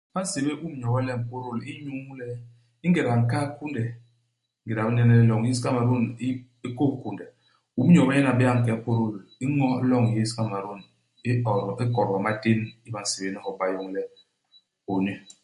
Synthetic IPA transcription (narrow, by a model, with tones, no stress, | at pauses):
ba˦n̩˦se˨be˦bu˦m˦ɲɔ˨ba˦le˦˨m̩˨po˦ɾo˦˨li˦ɲu˦ŋ˦lɛ˦ | i˦ŋ˦ɡe˨ɾa˨ŋ̩˨ka˦ku˦n˦dɛ˨˦ | ŋ˦ɡe˨ɾa˨bi˦nɛ˦ne˦lɔ˨ŋ˨ji˦ska˦ma˨ɾo˦ni˦ | e˦ko˦˨ku˨nde˨ | u˦m˦ɔ˨ba˦jɛ˦na˨bi˦a˦˨ŋ̩˨kɛ˨˦po˦ɾo˦˨li˦ŋɔ˦lɔ˦ŋ˨e˦ska˦˨ma˨ɾo˦˨n | e˦ɔ˨ɾɔ˨e˦kɔ˨ɾa˨ma˦te˦ni˦ba˨n̩˨se˨be˦a˦hɔ˨˦ba˦jo˦ŋ˦lɛ˦ | o˨ɲe˦